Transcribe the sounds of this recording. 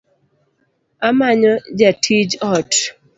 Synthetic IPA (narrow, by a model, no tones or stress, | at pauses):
amaɲɔd͡ʒatʰid͡ʒɔt